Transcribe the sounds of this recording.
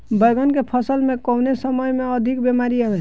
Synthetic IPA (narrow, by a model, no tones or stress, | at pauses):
bəjɡənkepʰʌsəlmekɔwnesəməjmeʌd̪ʱikbemaɾie